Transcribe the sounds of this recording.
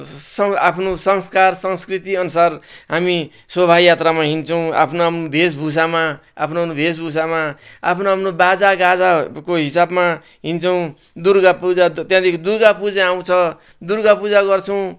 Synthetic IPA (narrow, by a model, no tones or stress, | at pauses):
sʌa̰pʰnosʌŋskarsʌŋskrit̪iʌnusarɦami | sʌbʱajat̪ramaɦint͡sʰʌw̃a̰pʰnoɦamnobʱes̬bʱus̬amaa̰pʰnonobʱesbʱus̬amaa̰pʰnoɦamnobad͡zaɡad͡zakoɦisabma | ɦint͡sʰʌw̃ | d̪urɡapud͡zat̪jãd̪ekʰid̪urɡapud͡zaaw̃t͡sʰʌ | d̪urɡapud͡zaɡʌrt͡sʰʌw̃